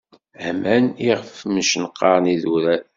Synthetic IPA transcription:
ʕæmæniʁəfməʃnəqːɑɾˤniðuɾæ

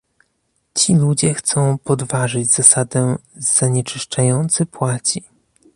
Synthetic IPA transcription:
t͡ɕilud͡ʑɛxt̪sɔ̃w̃pɔd̪vaʐɘd͡ʑz̥asad̪ɛz̥aɲɛt͡ʂɘʂt͡ʂajɔnt̪sɘpwat͡ɕi

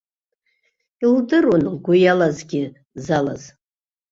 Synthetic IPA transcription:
ildɨrwunɡʷʊjalazɡʲɪ | zala̰z

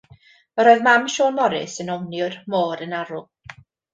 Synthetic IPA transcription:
əɾoːɨðmamʃoːnmɔɾɪ̰sənɔwnjʊrmoːɾənaɾʊ

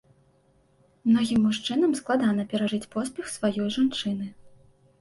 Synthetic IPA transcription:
mnɔɣʲimːuʂt͡ʂɨn̪ɐmsklˠad̪anɐpʲɛɾaʐɨt͡sʲpɔspʲɛxsvajɔjʐant͡ʂɨnɨ

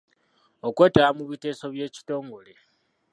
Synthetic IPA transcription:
okwe̞ːtaamuβite̞ːso̞βje̞ːci̥to̞ːŋɡo̞le

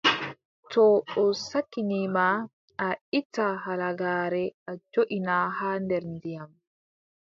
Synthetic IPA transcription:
tɔɔsakːinima | aitːahalaɡaːɾɛʔad͡ʒoʔinahaːndɛɾndijam

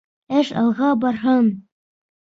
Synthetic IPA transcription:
æʃɑ̰lˠʁɑbɑɾɦɤm

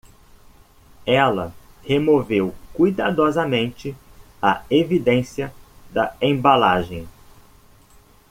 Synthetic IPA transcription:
ɛlɐhemovewkujd̪ad̪ɔzɐmẽnt͡ʃɪɐevid̪ẽsiɐd̪ɐẽbalaʒẽj̃

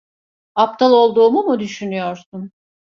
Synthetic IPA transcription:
ap̚t̪ʰalˠo̞lˠd̪uːmumud̪yʃynyjoɾsum

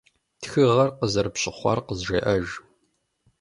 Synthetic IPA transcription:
txɨʁɐrqəzɐrɨpɕʼɪχʷɑ̰rqəzʒɐʔɐʒ

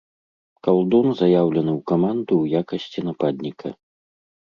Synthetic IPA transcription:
kalˠd̪ɔnzɐjawlʲɐnɨwkamand̪uwjakɐsʲt͡sʲinapad̪ʲnʲikʰɐ̰

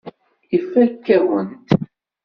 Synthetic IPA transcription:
ifælkːæwənt̪

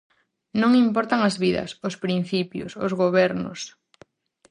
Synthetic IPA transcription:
nõŋimpɔɾt̪aŋɐzβiðɐ̰sʊspɾin̟θipjʊ̰sʊzɣoβɛɾnʊ̰s

